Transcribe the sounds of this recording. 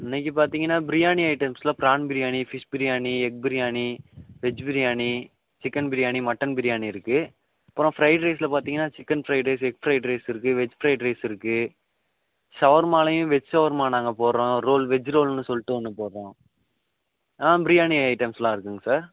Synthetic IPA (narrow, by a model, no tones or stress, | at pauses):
ɪnːɛkːip̬aːɾt̪iːŋɡɐnːaːbɪɾɪjaːniɐɪʈɐmslaːpɾaːnbɪɾɪjaːnifɪʂbɪɾɪjaːniɛk̚bɪɾɪjaːniʋɛd͡ʒbɪɾɪjaːni | t͡ʃɪkːɐnbɪɾɪjaːnimɐʈːɐnbɪɾɪjaːniɪɾɯkːɯ | ɐpːɯɾõːfɾɐɪʈɾeːslɐpaːɾt̪iːŋɡɐnːaːt͡ʃɪkːɐnfɾɐɪʈɾeːsɛk̚fɾɐɪʈɾeːsɪɾɯk̬ːɯʋɛd͡ʒfɾɐɪʈɾeːsɪɾɯkːɯ | sɐʋɐɾmaːlɐjʊ̃ʋɛd͡ʒsɐʋɐɾmaːnaːŋɡɐpoːɾɾõːɾoːlʋɛd͡ʒɾoːlnːɯsɔlːʈːɯɐnːɯpoːɾɾõː | ãːbɪɾɪjaːniɐɪʈɐmslãːɪɾɯkːɯŋɡɐsaːɾ